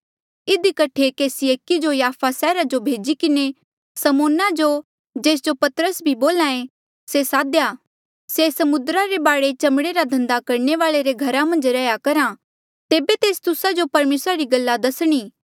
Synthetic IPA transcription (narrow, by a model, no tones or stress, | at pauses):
ɪd̪ikɐʈʰekeːsieːkid͡ʒojaːpʰasɛːɾad͡ʒobʱeːd͡ʒikɪne | sɐmoːnad͡ʒo | d͡ʒeːs̬d͡ʒopɐt̪əɾəsbʱiboːlãːẽ | sesaːd̪ja | sesɐmʊd̪ɾaɾebaːɽet͡ʃɐmɽ̃eɾad̪ʱɐ̃nd̪akɐɾɳeʋaːɭeɾeɡʱɐɾamɐ̃nd͡ʒɾɛjakɐɾã | t̪eːbet̪eːst̪ʊsad͡ʒopɐɾmeːsɾaɾiɡɐlːad̪ɐsɽ̃iː